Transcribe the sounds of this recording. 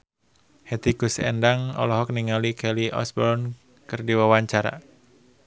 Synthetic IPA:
hɛd̪ikusɛ̰ndaŋɔ̰lɔɦɔk̚niŋalikʰɛliʔɔ̰sbɔrn | kɨrdiwawaɲt͡ʃaɾa̰

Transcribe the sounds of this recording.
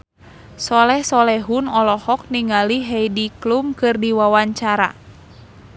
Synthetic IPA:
sɔlɛhsɔlɛɦunɔlɔhɔk̚niŋaliɦɛjdiklumkɨrdiwawaɲt͡ʃaɾa̰

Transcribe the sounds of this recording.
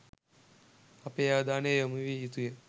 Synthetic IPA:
ɐpeːjaːd̪aːneːjomuʋiit̪uje

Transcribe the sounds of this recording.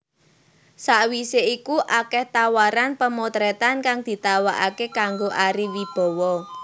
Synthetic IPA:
saʔwiseikuʔakɛht̪awaɾanpəmot̪ɾɛt̪ankaŋd̪̥i̤t̪awaʔakekaŋɡoʔaɾiwib̥ɔ̤wɔ

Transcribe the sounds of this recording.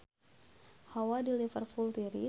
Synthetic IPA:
hawadilifərfult̪iɾḭ

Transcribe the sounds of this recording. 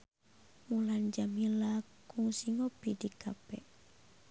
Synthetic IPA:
muland͡ʒamilakuŋsiŋopidikapɛʔ

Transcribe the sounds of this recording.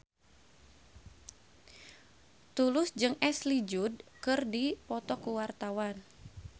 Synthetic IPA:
t̪ulʊsd͡ʒɨŋɛslid͡ʒud̚kɨrdipɔt̪ɔkuwart̪awan

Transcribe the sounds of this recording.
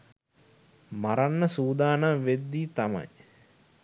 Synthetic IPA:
maɾanːəsuːd̪aːnamʋed̪ːiːt̪ama̰j

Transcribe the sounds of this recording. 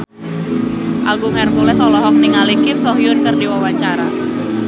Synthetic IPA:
ʔaɡuŋɛrkulɛsɔlɔɦɔk̚niŋalikɪmsɔɦjʊnkərdiwawat͡ʃaɾa

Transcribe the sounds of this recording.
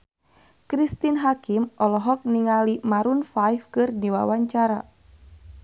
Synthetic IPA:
kɾist̪inɦakimʔɔlɔɦɔk̚niŋalimaɾunfajfkɨrdiwa̰waɲt͡ʃaɾa

